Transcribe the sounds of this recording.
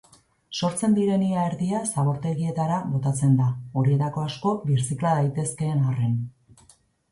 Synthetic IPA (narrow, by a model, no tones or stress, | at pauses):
so̞ɾt͡se̞nd̪iɾe̞niaeɾðiasaβo̞ɾt̪e̞ɣie̞t̪aɾaβo̞t̪at͡se̞nd̪ao̞ɾie̞t̪ako̞asko̞βiɾsiklaðajt̪e̞ske̞ːnare̞n